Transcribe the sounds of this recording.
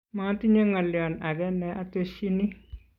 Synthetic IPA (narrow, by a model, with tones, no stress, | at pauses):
ma˦ti˦ɲe˦ŋa˨ljɔ˨na˨ɡɛ˦nɛ˨˦ʔa˦te˦ʃi˦ni˦